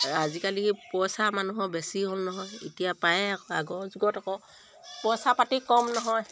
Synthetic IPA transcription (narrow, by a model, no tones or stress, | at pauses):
azikalipɔsamanuɦɔbɛsiɦolnɔɦɔjitijapajɛakɔa̰ɡɔzuɡɔtakɔ | pɔsapatikɔmnɔɦɔj